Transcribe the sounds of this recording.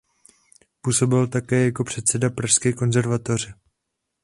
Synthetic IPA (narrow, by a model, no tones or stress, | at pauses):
puːso̞bɪlt̪akɛːjako̞pr̝̥ɛt̪sɛdapɾaʃskɛːko̞nzɛɾvat̪or̝ɪ